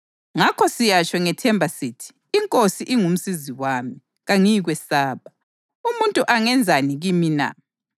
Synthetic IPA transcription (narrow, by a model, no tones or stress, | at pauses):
ŋakʰɔsijat͡ʃɔŋɛtʰɛmbʱasitʰi̥ːŋkʼosiʔiŋum̩siziwaːmi | ɣaŋiɣwɛsaːβa | umuntʼuʔaŋɛnd͡zʱaniɣimina̰